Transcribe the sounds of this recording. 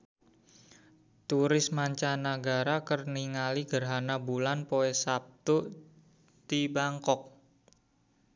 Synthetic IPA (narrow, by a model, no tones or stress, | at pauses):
t̪uɾɪsmaɲt͡ʃanaɡaɾakərniŋaliɡ̥ərɦanabulanpoɛsap̚t̪uʔ | t̪ibaŋkɔk̚